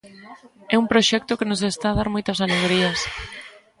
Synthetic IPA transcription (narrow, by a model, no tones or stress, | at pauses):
ɛumpɾoʃɛk̚t̪ʊkenos̬est̪aːðaɾmojt̪ɐsaleɣɾiɐs